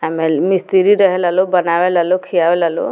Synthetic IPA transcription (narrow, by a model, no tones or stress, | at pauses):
amemist̪iɾiɾəɦɛlalobənaʋelalokʰijabelalo̰